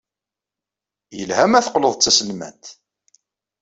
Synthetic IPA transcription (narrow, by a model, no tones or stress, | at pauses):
jəlhæmæθqləðˤt͡sːæsəlmæ̰nt̪